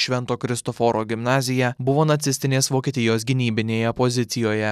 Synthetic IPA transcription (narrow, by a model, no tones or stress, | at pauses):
ʃʲʋʲɛnt̪oːkɾʲɪst̪ɔfɔːɾoːɡʲɪmnɑːzʲɪjɛbʊʋoːnɐt̪sʲɪsʲt̪ʲɪnʲeːsʋoːkʲiːt̪ʲɪjoːsɡʲɪnʲiːbʲɪnʲeːjɛpɔzʲɪt̪ʲɪjoːjɛ